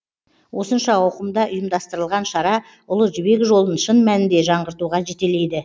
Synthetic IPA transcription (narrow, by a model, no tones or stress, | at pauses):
wʔo̞sənʃɑɑwqəmd̪ɑʔʊjəmd̪ɑst̪əɾəlˠʁɑnʃɑɾɑ | ʊlˠəʒʏbe̞kʒo̞lˠənʃənmænɪnd̪e̞ʒɑɴʁəɾt̪uʁɑʒe̞t̪e̞le̞jd̪ɪ